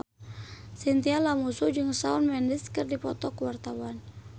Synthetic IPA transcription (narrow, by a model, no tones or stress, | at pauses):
sint̪ialamusud͡ʒɨŋsaunmɛndɪskɨrdipɔt̪ɔkəwart̪awan